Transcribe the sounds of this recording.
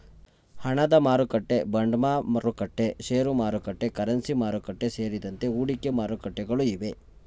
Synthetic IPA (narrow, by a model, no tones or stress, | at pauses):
hɐɳɐd̪ɐmaːɾukɐʈːe̞bɐɳɖmaːmɐɾukɐʈːe̞ʃeːɾumaːɾukɐʈːe̞kɐɾɐnsimaːɾukɐʈːe̞se̞ːɾid̪ɐnt̪e̞uːɽikːe̞maːɾukɐʈːeɡɐɭuiʋe̞